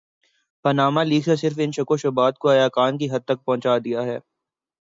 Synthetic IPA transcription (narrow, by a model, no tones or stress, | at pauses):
pɐnaːmaliːksesɪɾfɪnʃɐkoʃʊbaːt̪̚koɐjaːkaːnkiɦɐd̪̚t̪ɐk̚pɐ̃ɦʊ̃t͡ʃaːd̪ijaɦɛ̰ː